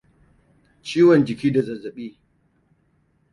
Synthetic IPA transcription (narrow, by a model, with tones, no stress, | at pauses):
t͡ʃiː˦wɔ˨nd͡ʒɪ˨kʲiː˦da˨zɐ˨zɐ˨ɓiː˦